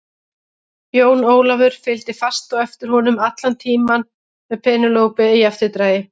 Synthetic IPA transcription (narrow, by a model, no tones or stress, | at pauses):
joːwnoːwlavʏɾ̥fɪlt̪ɪfast̪ɔɛft̪ɪɾ̥hɔnʏmat̪lant̪ʰiːman | mɛðpʰɛːnʏloːwpɪijaft̪ɪt̪ɾaːjɪ